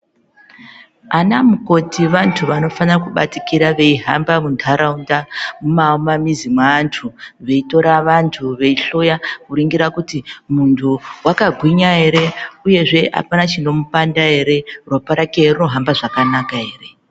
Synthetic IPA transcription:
anamuko̞tiʋantʰuʋano̞fanirakuɓa̰tikiɾaʋe̞iɦambamuntʰaɾaundamumaumamizimwaːntʰuʋe̞ito̞ɾaʋantʰuʋe̞iɬo̞jakuɾiŋɡiɾakutimuntʰuwakaɡʱwiɲaɦe̞ɾe̞uje̞ʐe̞ʔa̰panat͡ʃino̞mupandae̞ɾe̞rwapaɾakeruno̞ɦambaʐakanakaɦeːre̞

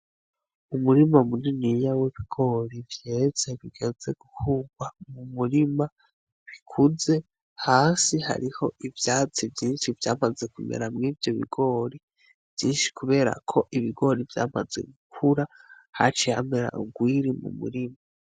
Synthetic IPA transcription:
umuɾimamuninijaweβiɡ̥o̞ːɾivjez̥e̞βiɡ̥e̞ze̞ɡ̥uhuːɡwamumuɾima | βikʰuze̞ | haːsiha̰ɾiho̞ʔivjaːt͡sivjiːnʃivjaːmazekumḛɾamŋiːvjo̞βḭɡ̥o̞ːɾi | v̥jiːnʃi̥kʰuβe̞ːɾa̰kʰo̞ʔiβiɡo̞ːɾivja̰ːmaze̞̰ɡukʰuɾa | ha̰t͡ʃihame̞ɾa̰ʔuɡwiɾimṵmṵɾima

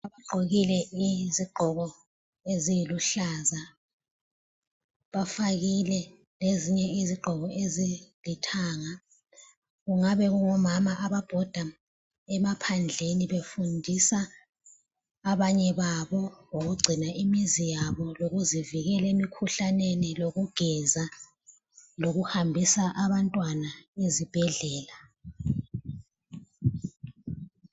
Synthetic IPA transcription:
aβaǃʱoɣilɛʔiziɡ͡ǃʱɔɣɔ | ezijiluɬaza | βafaɣilɛ | leziɲɛiziɡ͡ǃʱɔɣɔʔezilitʰaːŋa | ɣuŋaβɛɣuŋɔmamaʔaβab̥ʱɔd̥ʱa | ɛmapʰand͡ɮʱeniβefundʱisa | βaɲɛβaβɔŋoɣuɡ͡ǀʱinaʔimizijaβɔloɣuziviɣɛlemikʰuɬaneniloɣuɡ̥ʱɛza | loɣuhambʱisaʔaβantʼwanaezib̥ʱɛɮɛːla

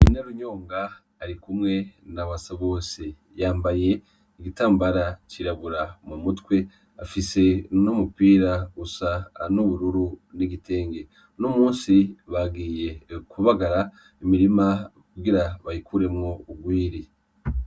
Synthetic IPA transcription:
inaɾuɲo̞ːŋɡaː | ɾikumŋe̞naβasaβo̞ːsi | jaːmbaje̞ | iɡitaːmbaɾaciɾaβuɾamumutwe̞ | afise̞nomupiːɾaɡusanoβuɾuɾuniɡite̞ːŋɡe̞ | nomuːnsiβaɡiːje̞kuβaɡaɾa | imiɾimakuɡiɾaβahikuɾe̞mŋo̞uɡwiːɾi

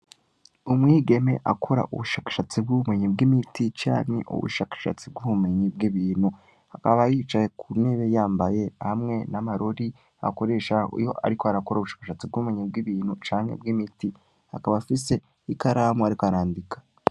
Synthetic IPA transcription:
umŋiːɡe̞me̞̰ʔa̰kʰo̞ɾa̰ʔṵβuʃaːkḁʃat͡sib̚ɡuβume̞ɲibɡimitit͡ʃa̰ːnḛʔṵβṵʃaːkḁʃa̰t͡sib̚ɡuβume̞ɲib̚ɡiβiːnhu | hakaβajiːt͡ʃajekʰuneβe̞jaːmbaje̞hamŋe̞namaɾoɾi | a̰ko̞ɾe̞ːʃaḭjo̞̰ʔa̰ɾikoaɾakoɾauβuʃḁːkaʃat͡sib̚ɡuume̞ɲib̚ɡiβiːn̥hut͡ʃaːŋḛb̚ɡimiti | ha̰kaβafise̞ | ikaɾamuaɾikoaɾaːndikḁ

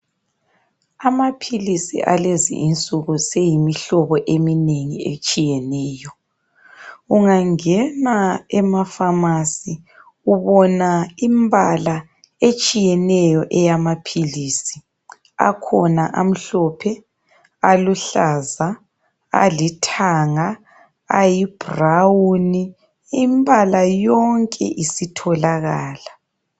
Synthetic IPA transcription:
amapʰilisḭʔalezḭʔint͡sʼuɣusejimiɬɔβɔʔemineŋiet͡ʃʼijɛnɛːjɔ | uŋaŋɛnaɛmafamasi | uβɔnaimbʱala | et͡ʃʼijɛnɛjɔʔɛjamapʰilisi | a̰kʰɔnaʔam̩ɬɔpʰɛ | aluɬaza | a̰litʰaŋa | a̰jib̥ʱrawuni | imbʱalajɔŋkʼɛ̰ʔisitʰɔlaɣaːla

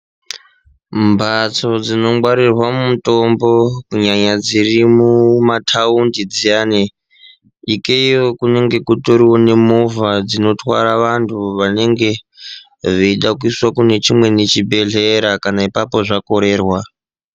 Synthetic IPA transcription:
mbʱat͡so̞d͡zino̞ɡ͡bwaɾirwamumuto̞mbo̞kuɲaɲad͡zirimumatʰaundid͡zijaːne | ikeijo̞kune̞ŋɡe̞kuto̞ɾiwone̞movad͡zino̞twa̰ɾaʋantʰuʋane̞ŋɡe̞ | ʐiiɗakuiswakune̞t͡ʃimwe̞net͡ʃibʱe̞ɮe̞ɾakanaipapo̞ʐako̞ɾe̞ːrwa

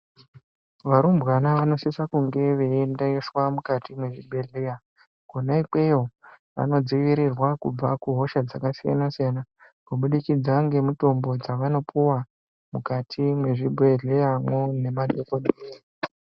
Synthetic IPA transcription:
ʋaɾumbwanaʋano̞sisakuŋɡe̞ʋeːndaiswamukatimwe̞ʐibʱe̞ɮeja | kunaike̞oʋa̰no̞d͡ziʋiɾirwakub͡vakuɦo̞ʃad͡zakasija̰nasijana | kuɓuɗikid͡zaŋɡe̞muto̞mbo̞d͡zaʋano̞pʰuwa | mukatʰimwe̞ʐibʱeɮejamwone̞madokoɗee

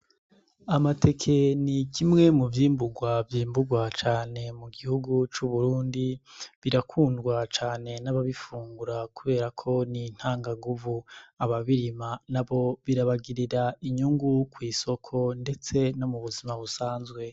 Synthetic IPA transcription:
amatʰe̞kʰe̞nikʰimŋe̞muvjiːmbuɡwavjiːmbuɡwat͡ʃaːne̞muɡihuɡut͡ʃuβuɾuːndiβiɾakʰuːndɡwat͡ʃaːne̞naβaβifuːŋɡuɾakuβe̞ːɾakʰo̞nin̥haːŋɡaŋɡuvuaβaβiɾimanaβo̞βiɾaβaɡiɾiɾaiɲuŋɡukwiːso̞kʰo̞nde̞t͡se̞no̞muβuzimaβusaːnzɡwe̞

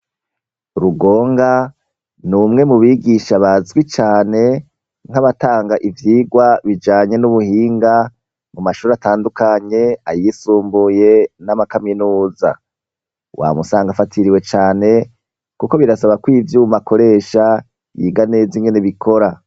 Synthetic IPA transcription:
uɾuɡo̞ːŋɡa | numŋe̞muβiɡiʃaβazɡwit͡ʃaːne̞ | ŋ̥haβataːŋɡaʔivjiːɡwaβid͡ʒaːɲe̞nuβuhiːŋɡa | mumaʃuːɾataːndukaɲe̞ajisuːmbuje̞namakaminuːza̰ | wa̰musaːŋɡafatʰiɾiwe̞t͡ʃaːne̞ | kuko̞βiɾasaβakwiːvjumakʰo̞ɾe̞ːʃa | jḭɡane̞ːziŋɡe̞neβikʰo̞ɾa

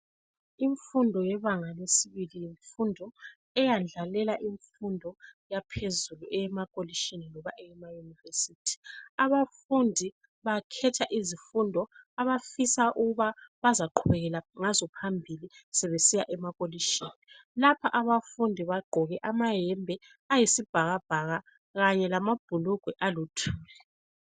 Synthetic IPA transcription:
iɱfundʱɔjɛβaŋalesiβilijiɱfundʱɔ | ɛjand͡ɮʱalɛlaʔiɱfundʱɔjapʰezuluʔɛɛmakʼoliʃininɔβaʔɛjɛmajunivesitʰi̥aβafundʱi | βakʰɛtʰaʔizifundʱɔaβafisaʔuɣuβaβazaǃʰuβɛɣɛlaŋazɔpʰambʱilisɛβesijaʔɛmakʼoliʃini | lapʰaʔaβafundʱiβaɡ͡ǃʱɔɣɛʔamaɦɛmbʱɛ | ajisib̥ʱaɣab̥ʱaɣa | ɣaɲɛlamab̥ʱuluɡ̥ʱwɛʔalutʰuːlɛ

